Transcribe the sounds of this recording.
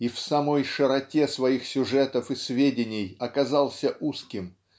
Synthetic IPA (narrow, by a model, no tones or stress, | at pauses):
ifsɐmo̞jʂɨɾɐtʲe̞svɐixsʲʊʐɛt̪əfɨsvʲedʲɪnʲɪjɐkɐzalˠsʲəʔuskʲɪm